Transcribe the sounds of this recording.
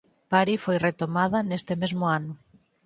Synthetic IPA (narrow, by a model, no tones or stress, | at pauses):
paɾifojret̪omað̞anest̪emezmʊanʊ